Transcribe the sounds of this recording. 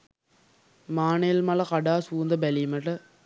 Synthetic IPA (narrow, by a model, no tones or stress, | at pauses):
maːnelmaːlɐkɐɽaːsuːnd̪ɐbɛlimɐʈːɐ